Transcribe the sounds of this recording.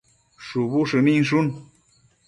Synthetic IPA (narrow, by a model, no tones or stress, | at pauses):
ʂupuʂɨmiŋʂun